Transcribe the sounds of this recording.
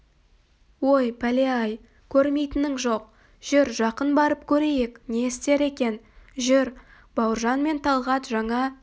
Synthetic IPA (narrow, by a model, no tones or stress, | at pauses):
wo̞jpʰæleɑj | kʲʰɵɾme̞jt̪ɪnɪŋʒo̞q̚ | ʒ̥ʏɾʒɑqənbɑɾəp̚kʲʰɵɾe̞je̞kne̞ɪst̪e̞ɾe̞kʲe̞nʒɪɾ | b̥ɑwəɾʒɑnme̞nt̪ʰɑlˠʁɑt̪ʒɑɴɑ